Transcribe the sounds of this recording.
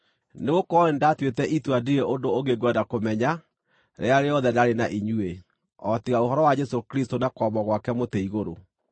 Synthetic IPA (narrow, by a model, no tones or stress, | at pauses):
neɣokɔendatwetɛʔitwadiɾeʔondooɣeɡwɛdakomɛɲa | ɾḛaɾeɔðɛdaɾenaʔiɲue | ɔtiɣaoɦɔɾɔwad͡ʒɛsokɾistonakɔmɔɣwakɛmoteiɣoɾo